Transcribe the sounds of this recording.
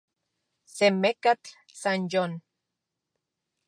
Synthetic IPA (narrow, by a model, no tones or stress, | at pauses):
semekat͡ɬ | sanjon